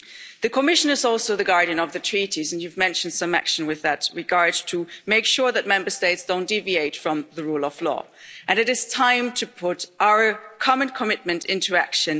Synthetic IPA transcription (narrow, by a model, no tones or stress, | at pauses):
ðɨkʰəmɪʃɨ̃nəzɔlˠsoʊðɨɡɑɹɾiɨ̃nʌvðɨtʰɹ̥iɾizɨ̃njʉvmɛ̃nʃɨ̃n̩d̥sʌ̃mæ̰kʃɨ̃n̩wɨðɨt̚ɹɨɡɑɹdtʰɨmeɪkʃʊɹðɨt̚mɛ̃mbə˞steɪtsd̥õʊ̃nd̥ivieɪtfɹʌ̃mðəɹulˠʌv̥lɔ̰ | ʔɨ̃nɨɾɨz̥tʰãɪ̃mtʰɨpʰʊɾʔaʊə˞kʰɑmɨ̃nkʰəmɪt̚mɨ̃ntɪ̃ntʰʉækʃɨ̃n